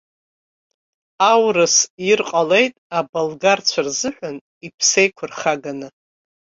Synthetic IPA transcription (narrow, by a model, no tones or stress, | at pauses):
awrɨsjirqʼale̞jtʼabolɡart͡ɕʷʰarzɨħʷʊn | ipʰsejkʷʰʊrχaɡanɨ